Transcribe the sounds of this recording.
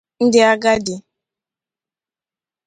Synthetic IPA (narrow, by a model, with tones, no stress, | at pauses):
n̩˦dɪ˦a˦ɡa˦dɪ˨